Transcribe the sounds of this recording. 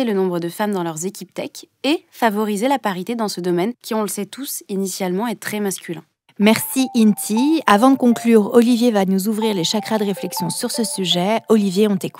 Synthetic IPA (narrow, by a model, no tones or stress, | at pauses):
elənɔ̃bʁəd̪əfamd̪ɑ̃lœʁzekʲipt̪ɛk | efavɔʁizelapaʁit̪ed̪ɑ̃səd̪ɔmɛnkʲiɔ̃ləsɛt̪usinisjalmɑ̃et̪χɛmaskʲylɛ̃ | mɛʁsiʔint̪ʰiavɑ̃d̪əkɔ̃klyːʁɔlivjevanuzuvʁiʁleʃakχad̪əʁeflɛksjɔ̃syʁsəsyʒɛɔlivjeɔ̃t̪eku̥